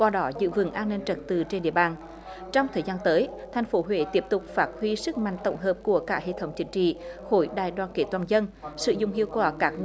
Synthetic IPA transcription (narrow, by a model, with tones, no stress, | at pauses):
kwaː˧ɗɔ˨˦zɨ̰˧˨vɨ̰˨˧˩əŋʔaː˧nːi˧nt͡ɕə˨˩t̚t̪ɨ˨˩t͡ɕe˧nɗḭ˧˨əɓaː˨˩n | t͡ɕɔ˧wŋ͡mt̪ʰəː˨˩jzaː˧nt̪əː˨˦jt̪ʰa˨˩jŋ̟fo˨˦ɦwḛ˧˨t̪i˦˥əp̚t̪ʊ˨˩k͡p̚faː˦˥t̚hwi˧sɨ˦˥k̚ma̰˧˨ŋ̟t̪ə̰˧˩wŋ͡mɦəː˨˩p̚ku˧˩əkaː˦˥k̚hḛ˧˨t̪ʰə˨˦wŋ͡mt͡ɕï˨˦ŋ̟t͡ɕḭ˧˨xo˧˩jɗa̰ː˧˨jɗwaː˧˨nke˨˩t̪waː˨˩nzə˧nsɨ̰˧˨zʊ̰˧˨ŋ͡mhi˧˨əwkwaː˧˩kaː˦˥k̚